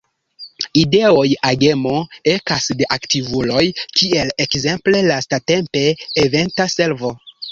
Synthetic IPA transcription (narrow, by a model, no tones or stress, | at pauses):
ideo̞jaɡe̞moekasde̞ʔaktivulo̞jkie̞lekze̞mple̞lastate̞mpe̞ːve̞ntase̞lvo̞